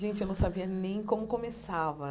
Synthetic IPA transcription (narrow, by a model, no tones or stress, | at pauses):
ʒẽnt͡ʃɪnɐ̃w̃sabiɐnẽj̃kõmʊkõmesavɐ